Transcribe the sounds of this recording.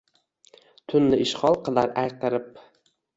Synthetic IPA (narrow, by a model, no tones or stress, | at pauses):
t̪ʰʊnːɪɪʃχɒlˠqʰɨlˠaɾajqɨɾɪp